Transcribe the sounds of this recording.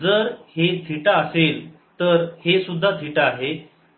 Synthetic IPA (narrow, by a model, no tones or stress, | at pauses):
d͡zəɾhed͡zʱiʈaəsel | t̪əɾhesud̪ʱːad͡zʱiʈaaːɦe